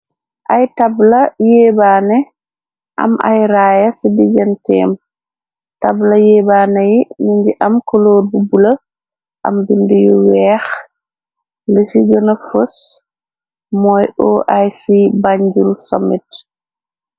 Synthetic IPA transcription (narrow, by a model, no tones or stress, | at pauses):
ʔajtablajɛːbaːnɛ | ʔa̰ma̰jɾaːjasidid͡ʒantɛ̰m | tablajɛbaːnajiniɲd͡ʒiʔamkɔloːɾbubula | ʔa̰mbindujɔwɛːx | ləsid͡ʒɔnafos | mɔjɔʔajsibaɲd͡ʒulsɔmɛt